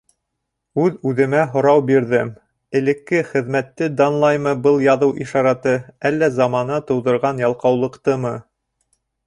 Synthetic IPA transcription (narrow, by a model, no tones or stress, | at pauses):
ʉðʉðɘ̆mæɦŏɾɑwbiɾðɘm | ɘ̆lɘ̆kːɘχɘ̆ðmæt̪ːɘd̪ɑnlˠɑjmɤbɤlˠjɑðɤwʔiʃɑɾɑt̪ɤælːæzɑmɑnɑt̪ŏwðɤ̆ɾʁɑnjɑlˠqɑwlˠɤ̆qt̪ɤmɤ